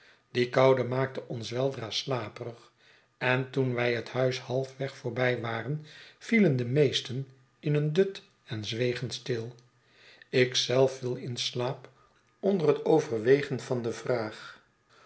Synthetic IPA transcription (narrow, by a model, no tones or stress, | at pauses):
d̥ikɑwdəmaːk̚təʔɔnsʋɛlˠdraːslaːpərəχ | ɛntunʋɛjɦəthœɥshɑlˠfʋɛχfʊːɹbɛjʋaːrənv̥iləndəmejstən | ɪnəndɵt | ɛnzʋejχənstɪlˠ | ɪksɛlˠfʋilˠɪnslaːp | ɔndərɦətowvərʋejχənvɑndəvraːχ